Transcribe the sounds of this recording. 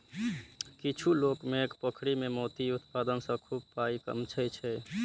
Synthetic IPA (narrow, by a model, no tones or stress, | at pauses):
kit͡ʃʰulokmekpəkʰɽimemot̪iut̪pad̪ənsə̃kʰub̚paikə̰mt͡ʃʰɛt͡ʃʰɛ